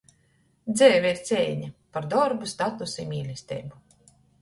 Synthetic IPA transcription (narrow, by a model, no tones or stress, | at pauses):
d̪zɛːvʲiiɾt̪sʲɛːɲapaɾd̪ɔɾbust̪at̪usimʲiːlʲist̪ɛ̰ːbu